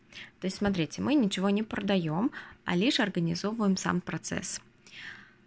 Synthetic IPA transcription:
t̪o̞ɪsʲtʲsmɐt̪ɾʲitʲɪmʔɨnʲɪt͡ɕɪvo̞nʲɪpɾəd̪ɐjo̞mɐ̰lʲiʂɐrɡənʲɪzo̞vəjɪmsa̰mpɾɐt̪sɛ̰s

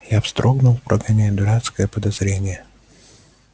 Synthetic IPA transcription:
jafst̪ɾʔoɡnʊlˠfpɾʔɐɡanʲed̪ʊɾat̪skəjəpəd̪ɐzɾʲenʲɪjə

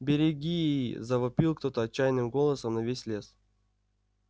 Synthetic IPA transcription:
bʲɪɾʲɪɡʲijjzɐvɐpʲilˠkt̪o̞t̪əɐt͡ɕːajnɨmɡo̞lˠəsəmnɐvʲesʲlʲe̞s

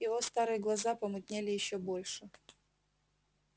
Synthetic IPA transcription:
jɪvost̪aɾɨjəɡlˠɐzapɐmɨt̪ʲnʲelʲɪjɪɕːobolʲʂɨ

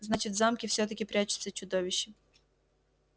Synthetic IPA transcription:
znat͡ʃɪtʲzamkʲɪfsʲɔt̪ɐkʲɪpɾʲat͡ʃɪ̥t̪sʲːɐt͡ʃʊd̪ɔʋʲɪɕːɪ

